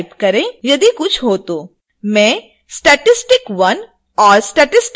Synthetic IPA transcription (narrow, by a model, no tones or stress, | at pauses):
pkɐɾẽjɐd̪ikʊt͡ʃʰɦoːt̪oː | mɛ̃ː | sʈɛʈɪsʈɪkʋɐn | ɔːɾsʈɛʈɪsʈ